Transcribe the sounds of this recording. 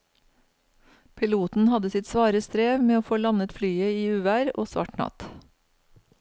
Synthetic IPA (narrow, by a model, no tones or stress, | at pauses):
pʰɪluːt̪n̩hɑd̪əsɪt̪sʋɑːɾəst̪ɾeːʋmeːoːfoːlɑnət̪flyːəiːʉːʋæːɾo̰ːsʋɑ̰ʈɳɑ̰t̪